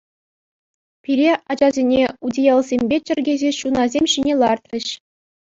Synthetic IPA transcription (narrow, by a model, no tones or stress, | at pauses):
pʲiɾʲeʔɑd͡ʑɑzʲenʲeudʲijɑlˠzʲemʲbʲet͡ɕɘ̆rʲɡʲezʲeɕunɑzʲemʲɕinʲelˠɑrt̪rʲɘ̆ɕ